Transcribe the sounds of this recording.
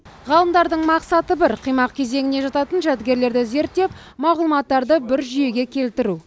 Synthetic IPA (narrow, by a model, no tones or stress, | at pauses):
ʁɑlˠəmd̪ɑɾd̪əɴmɑqsɑt̪əbɪɾqʰijmɑq̚kʲʰe̞ze̞ŋʲɪneʒɑt̪ɑt̪ənʒæt̪ɡʲe̞ɾle̞ɾd̪ɪze̞ɾt̪ːe̞p̚ | mɑʁlˠmɑt̪ːɑɾd̪əbɪɾʒʏje̞ɡʲe̞kʲʰe̞lt̪ɪɾu